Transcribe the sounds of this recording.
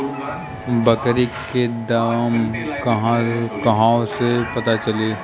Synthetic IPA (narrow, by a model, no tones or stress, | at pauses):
bɐkɾiked̪amkɐɦãkɐɦãõsepɐt̪at͡ʃɐleː